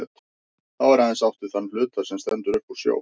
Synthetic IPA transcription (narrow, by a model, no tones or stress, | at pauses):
ɛt̪ | θawɛɾhaðɛnsawht̪ʏ̥θanːlʏːt̪aɾ̥sɛmst̪ɛnt̪ʏɾœhku̥sjo̰ːw